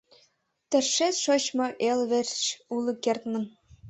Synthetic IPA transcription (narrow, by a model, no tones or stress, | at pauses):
t̪ɘ̆rʃet̪ʃoɕmɑʔelʋĕrt͡ɕulˠɤ̆kʲert̪mɘ̆n